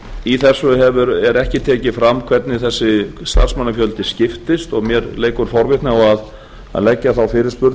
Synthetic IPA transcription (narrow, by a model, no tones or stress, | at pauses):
iθɛsʏɦɛvʏɾɛɾɛhcɪt̪ʰɛːcɪfɾamːkʰv̥ɛt̪nɪθɛsːɪst̪a̰rsmanːafjœlt̪ɪscɪft̪ɪst̪ɔɣmjɛɾleːjkʏɾ̥fɔɾvɪht̪nɪaɣað | a̰ðlɛcːaθawfɪːɾɪɾ̥spʏɾ